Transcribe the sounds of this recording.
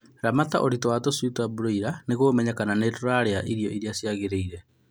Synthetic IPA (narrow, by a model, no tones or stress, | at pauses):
ɾamataʔoɾitowatosutwabuɾoiɾaneɣoːmɛɲakananeːtoɾaɾeaʔiɾjɔʔiɾjasjaɣeɾeiɾɛ